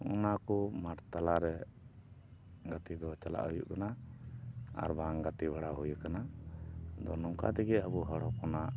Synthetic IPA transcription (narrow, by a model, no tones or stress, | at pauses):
ṵnakumaʈt̪alaɾɛ | ɡat̪id̪ɔt͡ʃala̰ʔɦujṵʔkana | a̰ɾbaŋɡat̪ibaɽaɦujakana | d̪ɔnɔŋka̰t̪ɛɡɛabuɦaɽɔkɔna